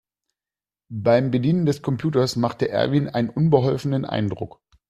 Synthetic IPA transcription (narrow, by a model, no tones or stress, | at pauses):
b̥aɪmbədiːnəndɛskʰɔmpʰj̥uːtɐsmaχtəʔɛ̰ɐviːnʔa̰ɪnənʔʊnbəɦɔlfənənʔa̰ɪndʁʊ̰k